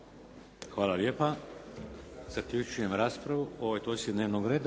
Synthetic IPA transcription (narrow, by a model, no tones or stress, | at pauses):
xʋaːlaljeːpa | z̥akʎʲut͡ʃujemɾaːspɾaʋuoʋojt̪ojsid̪neʋnoɡɾeːd̪a